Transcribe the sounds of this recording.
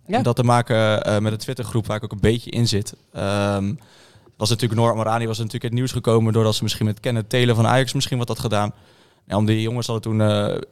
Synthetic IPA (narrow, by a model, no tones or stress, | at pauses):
ɛndɔtəmaːkəmɛtdətʋɪtəɹχrupʋaːrɪkowkənbejcəʔɪnzɪtəm | ʋɑsnatyːləknoɹaməɾaːndiʋɑsətnatyːləkətniwsχəkowməndʊːɹdɑtsəmɪsχinmɛtətkɛnəətejləvɑna̰ːjɑksmɪsχinʋɔtdɑtχədaːn | ja̰ɔmdijoŋəsɦɑdətunə